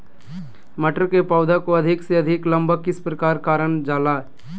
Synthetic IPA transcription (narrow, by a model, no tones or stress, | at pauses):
mɐʈɾkepaːʊd̪ʱakoɐd̪ʱɪkseɐd̪ʱɪkləmbəkɪspɾəkaːɾkaːɾəɳd͡ʒaːlaː